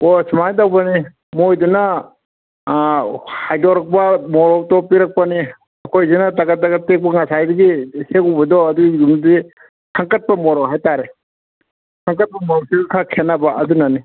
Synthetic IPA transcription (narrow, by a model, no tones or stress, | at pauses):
osimajdawbani | mojduna | hajdɔɾɐk̚pamɔɾɔwtɔpiɾɐk̚pani | ɐkʰojzinataɡɐtːaɡɐtek̚pɐŋasajdiɡisekubɐdɔɐduɡiɡumdi | kʰaŋkɐt̚pɐmɔɾɔwɦajtaɾe | kʰaŋkɐt̚pɐmɔɾɔsiɡkʰakʰenabaʔɐdunani